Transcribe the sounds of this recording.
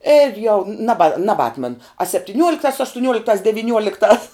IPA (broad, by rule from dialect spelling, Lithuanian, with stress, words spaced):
ɪr jɛʊ nɐˈbɐ nɐbˈɑːtmɐn ɐ sʲɛpʲtʲɪˈnʲuɔlʲɪktɑːs ɐʃtʊˈnʲuɔlʲɪktɑːs dʲɛʋʲɪˈnʲuɔlʲɪktɑːs